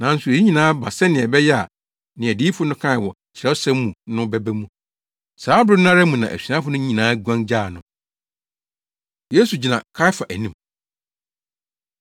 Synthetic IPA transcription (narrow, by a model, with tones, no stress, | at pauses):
nã˨n̩˦sʊ˨e˦ɲĩ˨nãː˦ba˨sɛ˦nɪ̃˨ɛ˨bɛ˦jɛ˦a˨ | nɪ̃˨æ˨diː˦fʊ˦nʊ̃˦kʰã˦˨wɔ˨ | t͡ɕʰɪ˨ɾɛ˦sɛ̃˦mːũ˨nʊ̃˦bɛ˦bæ˦mũ˦ | saː˨˦bɾɪ˦nʊ̃˦ã˦ɾa˦mũ˨nã˨ʔæ̰˨sɥã˦fʊ˦nʊ̃˦ɲĩ˨nãː˨˦ɡʷã˦nd͡ʑaː˦˨nʊ̃˨ | je˦su˨d͡ʑi˨nã˨kʰa˦ɪ˦fa˨ʔæ˨nĩ˦m